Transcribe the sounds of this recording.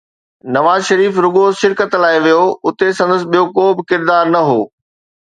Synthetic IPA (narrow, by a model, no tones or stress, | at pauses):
nɐʋaːzʃɐɾiːfɾʊɡoʃɪɾkət̪laːɪʋijoʊt̪esɐ̃nd̪əs̬ɪ̆ɓijokoːbɪkɪɾd̪aːɾnɐɦoː